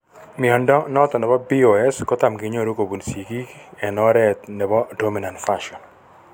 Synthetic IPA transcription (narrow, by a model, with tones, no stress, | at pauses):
mɪ˨ɔ˨ndɔ˦nɔ˦t̪ɔ˨nɛ˨bɔ˦bi˦o˨ɛ˦skɔ˦t̪a˨mɡi˨˦ɲo˦˨ɾo˦ko˨bu˨nsi˨ɡi˦ɛ˨nɔ˦ɾɛ˦t̪nɛ˨bɔ˦do˦mi˨na˨ntfaʃɔ˨n